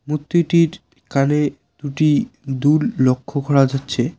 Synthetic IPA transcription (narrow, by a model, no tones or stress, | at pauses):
mut̪ːjoʈiɾ | kane | d̪̥uʈid̪uɾlokʰːokʰɔɽad͡ʑatːɕʰe